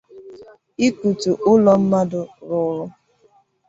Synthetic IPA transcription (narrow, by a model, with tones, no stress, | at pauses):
i˦ku˨tu˨ʔʊ˦lɔ˦m̩˦ma˦dʊ˨ɾʊ˨ɾʊ˦